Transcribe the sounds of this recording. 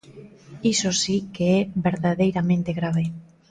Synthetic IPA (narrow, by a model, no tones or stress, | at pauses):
isosikeɛβeɾðaðejɾamẽnt̪eɣɾaβe